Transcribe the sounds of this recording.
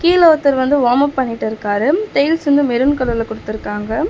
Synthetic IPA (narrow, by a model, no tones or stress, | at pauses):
kiːloːt̪ːɐɾʋɐnd̪ɯʋaːmɐpːɐɳːɪʈːɪɾɯkːaːɾɯt̪ɛjɪlsɐnd̪ɯmɛɾɯnkɐɭːɐlɐkːɔɽɯt̪ːɪɾɯkːaːŋɡɐ